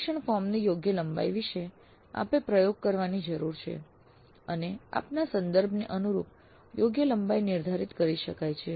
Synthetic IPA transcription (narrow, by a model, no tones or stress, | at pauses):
ʃəɳfɔmnijoɡjələmba̰jʋiʃe | a̰pepɾəjoɡ̚kəɾʋanid͡ʒəɾuɾt͡ʃʰḛ | ənea̰pnasənd̪əɾbʱneʔənuɾṵp̚ | joɡjələmbajnɪɾd̪ʱaɾit̪kəɾiʃəkajt͡ʃʰe